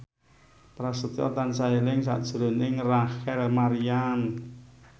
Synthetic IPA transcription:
pɾasət̪iɔ̰t̪ansailɪŋs̬a̰ʔd̥ʒ̥ɾʊ̤nɪŋraxɛlmaɾian

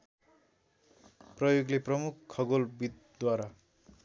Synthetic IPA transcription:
prʌjoɡleprʌmukʰkʰːʌɡolbit̪̚ | d̪waɾa

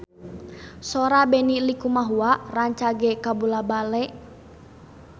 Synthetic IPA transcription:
sɔɾabɛnilikumaɦuaʔraɲt͡ʃaɡɛkabulabalɛ

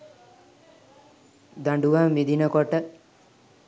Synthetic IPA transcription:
d̪aɳɖuʋaːmid̪inəkoʈə

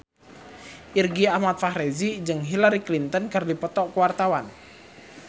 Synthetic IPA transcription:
ʔirɡiahmat̪̚fahɾezid͡ʒɨŋɦilaɾiklint̪ənkərdipɔt̪ɔʔkəwart̪awan

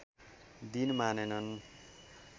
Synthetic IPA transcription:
d̪inmanenʌn

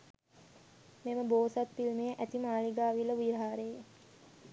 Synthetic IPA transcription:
meməboːsat̪̚pilmejəʔæt̪imaːliɡaːʋiləʋiɾɦaːɾej

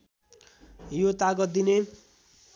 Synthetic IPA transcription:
jot̪aɡʌd̪ine

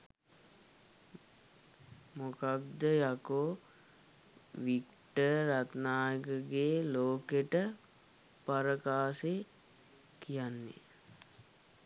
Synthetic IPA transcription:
mokabd̪əjako | ʋik | ʈəɾat̪naːjəkəɡeːloːkeʈə | paɾəkaːse | kijanːḛ

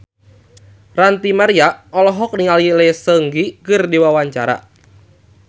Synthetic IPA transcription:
rant̪imaɾiaɔlɔɦɔk̚niŋalilɛsəŋɡikɨrdiwawaɲt͡ʃaɾa̰

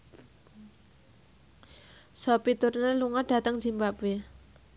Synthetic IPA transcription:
sɔpit̪urneluŋaɖ̥a̤t̪əŋ̥d͡ʒ̥i̤mbape

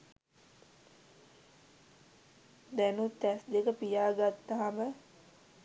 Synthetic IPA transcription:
d̪ænut̪ːæsd̪ekəpijaːɡat̪ːɐɦamə

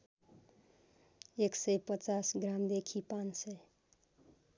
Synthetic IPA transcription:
eksepət͡ʃasɡɾamd̪ekʰipãnse

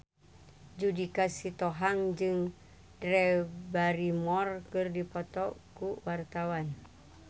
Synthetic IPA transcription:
d͡ʒudikasit̪ɔɦaŋd͡ʒɨŋ | dɾɛbaɾimɔrkɨrdipɔt̪ɔkuwart̪awan

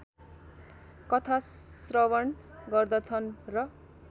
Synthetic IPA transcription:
kʌt̪ʰasrʌwʌɳ | ɡʌrd̪ʌt͡sʰʌnrʌ

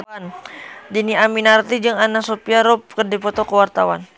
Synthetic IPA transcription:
ndiniaminart̪id͡ʒɨŋanasopiaɾɔp̚kərdipɔt̪ɔkəwart̪awa̰n

